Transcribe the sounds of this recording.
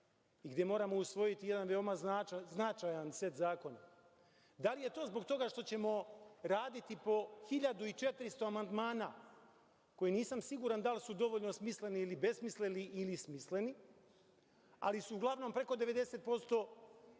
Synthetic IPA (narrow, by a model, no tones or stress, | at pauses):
iɡd̪je̞mo̞ːɾamousʋo̞jit̪ije̞d̪anʋeo̞mazaznat͡ʃajansʋe̞t̪zaːko̞na | d̪alije̞t̪o̞ːzbo̞ɡt̪o̞ɡaʃt̪o̞t͡ɕe̞mo̞ɾaːd̪it̪ipo̞xiʎad̪uit͡ʃe̞t̪ɾist̪o̞amand̪maːna̰ | ko̞jiniːsamsiɡuːɾand̪alsud̪o̞ʋoʎnosmisle̞niilibe̞smisleniʔilismisle̞ni | a̰lisuuɡlˠaʋno̞mpɾe̞ko̞d̪eʋe̞d̪e̞set̪̚po̞st̪o̞